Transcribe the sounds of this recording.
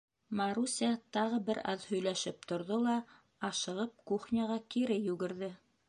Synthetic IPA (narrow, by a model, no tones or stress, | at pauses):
mɑɾusʲiɑt̪ɑʁɤbɘɾɑ̰ðhɵ̆jlæʃɘp̚t̪ŏɾðolˠɑ | ɑʃɤ̆ʁɤp̚kuχnʲaʁɑkiɾɘjʉɡɘ̆ɾðɘ